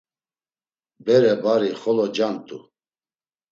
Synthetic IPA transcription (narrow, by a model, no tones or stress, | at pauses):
bɛɾɛbaɾiχɔlɔd͡ʒant̪ʼṵ